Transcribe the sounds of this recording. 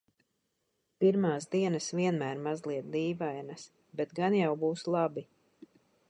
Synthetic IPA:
piɾmaːsd̪iɛnasviɛnmæːɾmazlˠiɛt̪̚d̪iːvajnas | bɛt̪ɡanjawbuːslˠabi

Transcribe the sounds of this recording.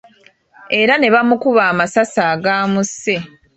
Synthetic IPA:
e̞ɾane̞βamukuβaːmasasaːɡaːmuse̞

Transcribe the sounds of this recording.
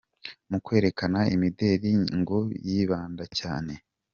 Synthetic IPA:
mukwe̞ːɾe̞kanaimide̞ːɾiŋɡojiβaːndaca̰ːne̞

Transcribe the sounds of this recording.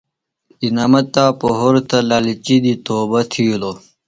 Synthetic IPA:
inamɐt̪ːaːpoɦoɾt̪alaːlit͡ɕid̪it̪oːbɐt̪ʰijulo

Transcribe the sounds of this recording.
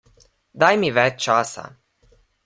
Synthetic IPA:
d̪ajmiʋɛt͡ʃt͡ʃaːsa̰

